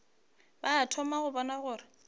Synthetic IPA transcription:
baatʰɔmaɣʊbɔnaɣʊːrɪ

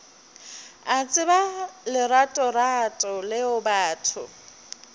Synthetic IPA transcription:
at͡sʼɪbalɪratʼɔratʼɔlɪʊbaːtʰʊ̰

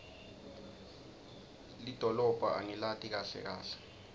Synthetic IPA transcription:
lid̥ʱɔlɔb̥ʱaʔa̰ŋilatʼik̬aɬɛ̰k̬a̰ːɬɛ̥

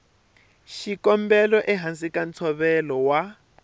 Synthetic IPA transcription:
ʃikɔmbɛlɔʔɛɦansikant͡sʰɔβɛlɔwa

